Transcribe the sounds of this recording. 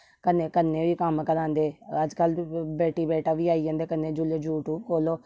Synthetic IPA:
kəneːkənːẽːʋiːkəmkəɾãːnd̪eːəd͡ʒkəlbɛːʈiːbɛːʈʰaːʋiːaːiãːnd̪eːkənːẽːd͡ʒʊleːd͡ʒuːʈuːb̚kʰoːloː

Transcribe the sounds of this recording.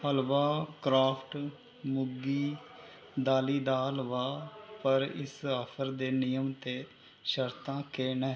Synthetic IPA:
əlʋaːkɾaːpʰʈ | mʊɡiː | d̪aːliːd̪aːlʋaːpəɾɪ̰saːpʰəɾd̪eːnɪjəmt̪eː | ʃəɾt̪ãːkeːnɛː

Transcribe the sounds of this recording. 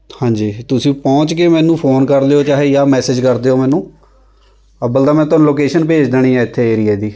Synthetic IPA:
hãːɲd͡ʒiːt̪ʊsĩːpɔ̃ːt͡ʃkemɛ̃ːnũːpʰoːnkəɾd̪eːoːt͡ʃaːɦeːjaːmɛːsɪd͡ʒkəɾd̪eːoːmɛ̃ːnũː | əbəld̪aːmɛ̃ːt̪onũːloːkeːʃənp̬eːd͡ʒd̪eːñĩːɛ̃ːɪt̪ʰːeːeːɾieːd̪iː

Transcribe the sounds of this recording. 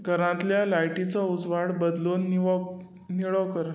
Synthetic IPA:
ɡʱəɾãt̪ljalajʈit͡saud͡zʋaɽbəd̪lon | niɭəʋkəɾ

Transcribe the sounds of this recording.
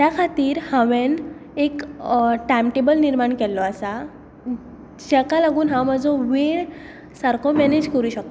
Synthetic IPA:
t̪jakʰat̪iːɾhãʋenekʈamʈebəlniɾmaɳkɛlːɔasa | d͡ʑɛkalaɡuːnɦãwməd͡zɔʋeɳ | saɾkʰɔmɛned͡ʑkəɾuːɕək̚t̪

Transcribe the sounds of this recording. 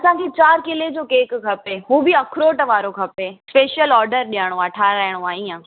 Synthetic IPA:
ɐsãkʰet͡ɕaːɾkɪled͡ʑoːkeːkkʰɐpeɦũːbiɐkʰɾoːʈʋaːɾokʰɐpespeːʃijəlɔːɾɖəɾɗijaɽ̃oaːʈʰaːɾaːɪɽ̃oaːɦiã

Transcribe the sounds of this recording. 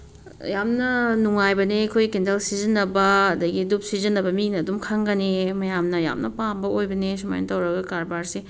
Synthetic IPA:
jamnɐnuŋajbɐnekʰojkendɐlsizinːɐbɐːdɐɡidup̚sizɐnːɐbɐminɐːdumkʰaŋɡɐnemɐjamnɐja̰mnɐpambɐojbɐnes̬uma̰jnɐtɐwɾɐɡɐkaɾbaɾse

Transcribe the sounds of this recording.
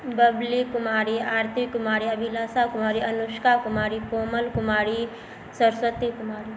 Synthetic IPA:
bɐblikʊmaːɾiaːɾt̪ʰikːʊmaːɾiɐbʱilaːsakʊmaːɾiɐnʊʃkakʊmaːɾikoːməlkʊmaːɾi | sɐɾswət̪ikʊmaːɾi

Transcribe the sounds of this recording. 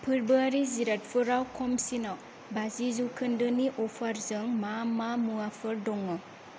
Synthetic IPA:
pʰɯɾbɯaɾiziɾat̚pʰɯɾawkʰɔmsina | bazizukʰɯndɯniʔɔpʰaɾzɯŋmamamuapʰɯɾdɔŋːɯ

